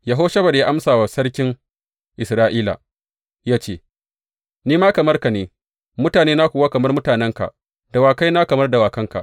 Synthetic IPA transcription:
ja˨ɦoː˦ʃɐ˦ba˨da˨jaː˦ʔa˦msaː˨wa˨sɐ˦rkʲɪ˦ŋ | ʔɪ˨sɾaː˦ʔiː˦la̰˨ | jaː˦t͡ʃeː˦˨ | niː˦maː˦kɐ˨mɐ˦rka˨neː˨˦ | mʊ˦taː˨neː˦na˦kʷuː˨waː˦kɐ˨mɐ˦rmʊ˦taː˨nɛ˦ŋka̰˨ʔ | d̥a˨waː˨ka˦jna˦kɐ˨mɐ˦rda˨waː˨kɐ˦ŋka̰˨ʔ

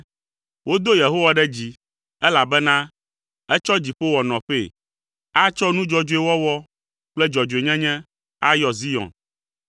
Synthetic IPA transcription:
wo˦d̪o˦je˨ɦo˦wa˨ɖɛ˦d͡ʑi˨ | ɛ˦la˨bɛ˦nã˦ | ɛ˦t͡ʃɔ˦d͡ʑi˨ɸe˦wɔ˨nɔ̃˨ɸe˦˨ | a˦t͡ʃɔ˦nũ˦d͡ʒɔ˦d͡ʒo˦e˦wɔ˦wɔ˦ | k͡plɛ˦d͡ʒɔ˨d͡ʒo˨e˨ɲɛ̃˦ɲɛ̃˦ | a˦jɔ˨zi˦jɔ̰̃˨n

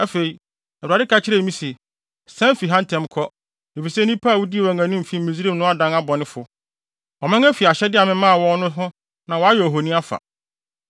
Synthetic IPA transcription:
æ˦fe˨ɾi˨ | ɛ˨a˨dɪ˦kʰa˨t͡ɕʰɪ˦ɾe˦˨˦mĩ˦sɛ˨ | sɛ̃˦m˦fi˨ɦã˦n˦tʰɛ̃˦mkʰɔ˦ | e˨fi˨sɛ˦nĩ˦pʰaː˦˨wu˦di˦˨wæ̃˨ŋã˨nʊ̃˦m̩˨fi˦m̩˦mĩ˨zi˦ɾi˦˨nʊ̃˦a˦dã˦na˦bɔ˨nɪ̃˦fʊ˦˨ | ɔ˨mã˦ŋæ˦fi˨a˨ɕɛ˦dɪ˦a˨mɪ̃˦mã˦a˨wɔ̃˦nʊ̃˦ɦʊ̃˦ | nã˨wɔ˨˦a˦jɔ˨ɦo˨nĩ˦a˦fa̰˨

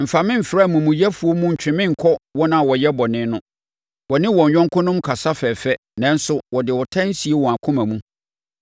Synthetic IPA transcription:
m̩˨fa˨mɪ̃˦m̩˨fɪ˨ɾa˦˨mũ˨mũ˨jɛ˦fu˨o˦mũ˦ɲ̩˨t͡ɕᶣɪ̃˨mɪ̃˦ŋ̩˨kʰɔ˦wɔ˦nã˦˨wɔ˨jɛ˦bɔ˨nɪ̃˦nʊ̃˦ | wɔ˨nɪ̃˦wɔ̃˨ɲ˨ɲᶣɔ̃˦ŋ˦kʰʊ̃˦nʊ̃˦mkʰa˨sa˦fɛː˨fɛ˦ | nã˨n̩˦sʊ˦wɔ˨dɪ˨wɔ˨tʰã˦n̩˦si˨e˦wɔ̃˨a˨kʰʊ̃˦mã˨mũ˦

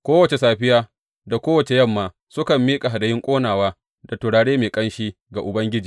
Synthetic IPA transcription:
kʷoː˦wɐ˨t͡ʃe˨saː˨ɸɪ˦jaː˦ | da˨kʷoː˦wɐ˨t͡ʃe˨jɐ˦˨mːaː˨ | sʊ˦kɐ˨mːiː˦kʼa˨ɦa˨da˨jɪ˦ŋkʷʼoː˦naː˨waː˦ | da˨tʊ˨ɽaː˨ɽeː˦meː˨kʼɐ˦nʃiː˦ | ɡa˨ʔʊ˨bɐ˦ŋɡʲɪ˦d͡ʒiː˨

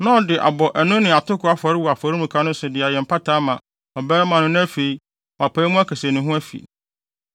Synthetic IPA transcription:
nã˦ɔ˨dɪ˨ʔa̰˨bɔ˨ʔæ˨nʊ̃˦nɪ̃˨a˨tʰʊ˦kʰʊ˨˦a˦fɔ˨ɾɪ˦wu˨a˨fɔ˨ɾi˦mũ˨kʰa˦nʊ̃˦sʊ˨dɪ˨a˨jɛ˨m̩˨pʰa˦tʰaː˨˦mã˨ | ɔ˨bɛː˦mã˨nʊ̃˦nʊ̃˦æ˦fe˨i˦ | wa˨pʰaː˨˦i˦mʊ̃˦æ˦kʰɛ˨sæ˨nʊ̃˨ɦʊ̃˦æ˦fḭ˨

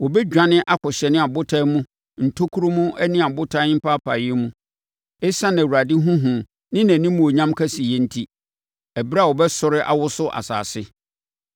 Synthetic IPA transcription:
wɔ˨bɛ˦d͡ʑᶣã˦nɪ̃˦ʔa˦kʰɔ˨ɕɛ˨nɪ̃˦a˨bʊ˦tʰa˦mũ˦ | n̩˨tʰo˦kʰu˦ɾo˦mũ˦ʔɛ˦nɪ̃˦a˨bʊ˦tʰa˦ɪ̃˦m̩˦pʰa˦pʰa˨jɪ˦mũ˦ | ɛ˦sã˦nã˨a˨dɪ˦ɦũ˦ɦũ˨ | nɪ̃˦næ̃˨nĩ˦mũ˦o˨ɲã˦mkʰa˦si˨jɛ˦n̩˦tʰi˦ | ɛ˨bɾa˦˨wɔ˨bɛ˦sʊ˨ɾɪ˦ʔa̰˨wʊ˦sʊ˦ʔa̰˨sa̰ː˨sɪ˦

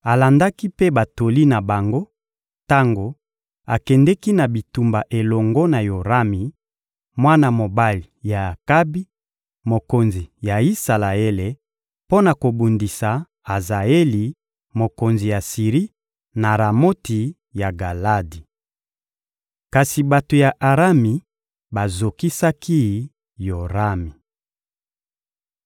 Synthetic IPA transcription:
a˨la˨nda˦ki˦pe˦ba˨to˨li˦na˨ba˨ŋɡo˦ | ta˦ŋɡo˨ | a˨kɛ˨ndɛ˦ki˦na˨bi˨tu˨mba˨ʔe˨lɔ˨ŋɡɔ˦na˨jo˨ʁa˦mi˨ | mwa˦na˨mo˨ba˦li˨ja˨a˨ka˦bi˦ | mo˨ko˨nzi˨ja˨i˦sa˨la˨e˦le˨ | po˦na˨ko˨bu˨ndi˨sa˨ | a˨za˨e˦li˨ | mo˨ko˨nzi˨ja˨si˨ʁi˦ | na˨ɾa˨mo˦ti˨ | ja˨ɡa˨la˦di˨ | ka˨si˨ba˨to˨ja˨ʔa˨ʁa˦mi˨ | ba˨zo˨ki˦sa˦kʰi˦˨ | jo˨ʁa˦mi˨

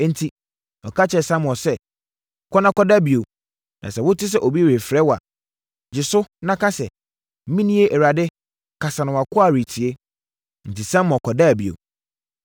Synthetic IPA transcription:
n̩˨tʰi˨ | ɔ˨kʰa˦t͡ɕʰɛ˨sã˦m̃˨ɔ˨sɛ˦˨ | kʰɔ˦nã˦kɔ˦da˦˨bi˨o˨ | nʔã̰˨sɛ˨wʊ˦tʰɪ˦s̬ɛ˦˨ʔo˨bi˦˨e˨fɾɛ˦wa̰˨ | d͡ʑɪ˨sʊ˦nã˦ka˦sɛ˨˦ | mĩ˦nĩ˦e˦ʔɛ˨ɾa˨dɪ˦ | kʰa˨sã˨nʊ̃˨wa˨kʰʊ˦a˦˨ɾi˨tʰi˨e˦ | n̩˨ti˨sã˦m˨ɔ˨kʰɔ˨da˦˨bi˨o̰˨

